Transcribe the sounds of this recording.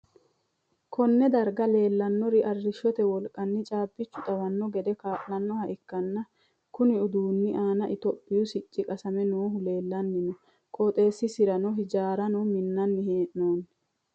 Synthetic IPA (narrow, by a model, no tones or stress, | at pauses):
kʰɔnːɛd̪ɐɾɡɐle̞ːlːɐnːɔɾɪʔɐrːɪʃːɔt̪ɛwɔlkʼɐnːɪt͡ʃʼaːbːɪt͡ʃːʊt̪ʼɐwɐnːɔɡɛd̪ɛkaːʔlɐnːɔhɐʔɪkːɐnːɐ | kʊnɪʊd̪uːnːɪʔaːnɐʔɪt̪ɔpʼːɪjʊsɪt͡ʃʼːɪkʼɐsɐmɛnoːɦʊle̞ːlːɐnːɪnɔ | kʼɔt̪ʼe̞ːsːɪsɪɾɐnɔɦɪd͡ʒaːɾɐnɔmɪnːɐnːɪheːʔnoːn